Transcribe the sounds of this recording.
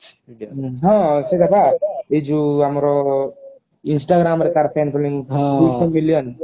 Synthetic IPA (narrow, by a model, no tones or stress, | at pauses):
ɦʌ̃sed̪apʰaed͡ʒuɦamɾo | insʈaɡɾamɾekaɾpʰanpʰuliŋɦusʌmiljʌn